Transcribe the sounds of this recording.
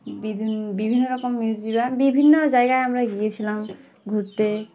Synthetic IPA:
bid̪ʱbibʱinːoɾɔkomːid͡ʑd͡ʑibabibʱinːod͡ʑajɡaeamɾaɡijet͡ɕʰilam | ɡʱuɾt̪e

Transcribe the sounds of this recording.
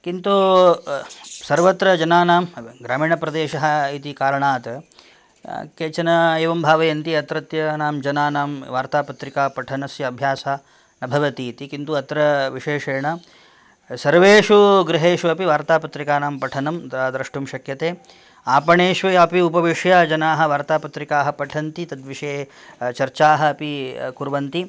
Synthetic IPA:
kint̪u | sɐɾʋɐt̪ɾɐd͡ʒɐnaːnaːmɡɾaːmiːɳɐpɾɐd̪eːʃɐɦɐ̆it̪ikaːɾɐɳaːt̪ɐ | keːt͡ʃɐnɐeːʋɐmbʱaːʋɐjɐnt̪iɐt̪ɾɐt̪jɐnaːmd͡ʒɐnaːnaːmʋaːɾt̪aːpɐt̪ɾikaːpɐʈʰɐnɐsjɐɐbʱjaːsaː | nɐbʱɐʋɐt̪iːt̪ikint̪uɐt̪ɾɐʋiʃeːʃeːɳɐ | sɐɾʋeːʂuɡɾiɦeːʂuɐpiʋaːɾt̪aːpɐt̪ɾikaːnaːmpɐʈʰɐnɐmːd̪ɾɐʂʈumʃɐkjɐt̪eː | aːpɐɳeːʂʋɐjɐpiupɐʋiʂjaːd͡ʒɐnaːɦɐ̆ʋaːɾt̪aːpɐt̪ɾikaːɦɐ̆pɐʈʰɐnt̪it̪ɐd̪ʋiʂeːt͡ʃɐɾt͡ʃaːɦɐ̆ɐpikuɾʋɐnt̪i

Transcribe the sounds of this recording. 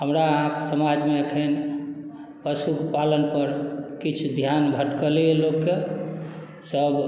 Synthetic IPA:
ɦəmɾaəɦãke̥səmad͡ʒmeekʰen | bəsukepalənpəɾkit͡ʃʰud̪ʱjanbʱəʈkəlielokːe | səb

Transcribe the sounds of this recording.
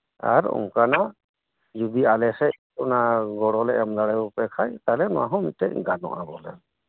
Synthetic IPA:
a̰ɾṵmkana | d͡ʒub̪ialɛsɛtunaɡɔɽɔlɛʔɛmlaɽajbɔpɛkʰajt̪aɦlɛnɔwaɦɔ̃mit̚ʈɛc̚ɡanɔ̰ʔabɔ̰lɛ̰ɾ

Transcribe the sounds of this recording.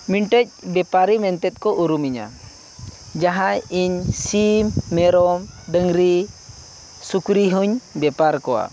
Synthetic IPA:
miɳʈəc̚bɛpaɾimɛnt̪ɛt̪̚kɔʔuɾumiɲa̰ | d͡ʒaɦãiɲsimːɛɾɔmɖəŋɾi | sukɾiɦuɲbɛpaɾkɔwa̰

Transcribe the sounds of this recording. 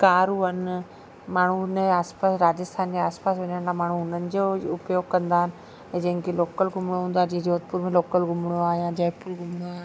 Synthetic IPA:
kaːɾuɦən | maːɳ̤unəaːspaːsɾaːd͡ʑəst̪ʰaːnd͡ʑeaːspaːsʋɐɲəɽ̃t̪aːmaːɳ̤ũʊnənɪ̆d͡ʑoʊpjoːɡkɐ̃nd̪aːɦɪnɪ̆ | ɛ̃d͡ʑɐ̃ɦɪ̃keloːkəlɡʱʊmɽ̃oɦũːnd̪aːd͡ʑed͡ʑoːət̪̚puːɾmẽloːkəlɡʊmɽ̃oaːɦjãd͡ʑaːpuːɾɡʱʊmɽ̃oaːɦ

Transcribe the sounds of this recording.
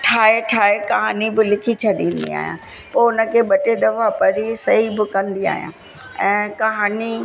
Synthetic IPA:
ʈʰaːeʈʰaːɦekɐɦaːnibɪlɪkʰit͡ɕʰɐɗĩːnd̪ḭa̰ːɦjã̰ː | poʊnə̆kʰeːɓɐʈed̪ɐʋapɐɾisɐɦibɪkɐ̃nd̪ia̰ːɦijã̰ː | ɛ̃ːkɐɦaːni

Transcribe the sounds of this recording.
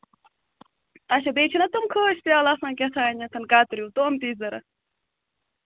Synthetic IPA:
aɕɐbeːt͡ʃʰinɐt̪omkʰoːɕpjaːlasnãːkʲesʰaːnɐt̪ʰɐnkaːt̪ɾiwt̪omt̪iːzɐɾɐ̰

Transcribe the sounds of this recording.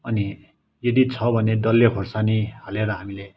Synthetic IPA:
ʌni | jʌd̪it͡sʰʌbʱʌned̪ʌlːekʰorsanihaleɾʌɦamile

